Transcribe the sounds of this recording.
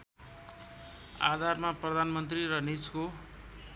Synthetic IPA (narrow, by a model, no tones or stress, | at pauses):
a̰d̪ʱarmaprʌd̪ʱanmʌnt̪riɾʌnit͡sko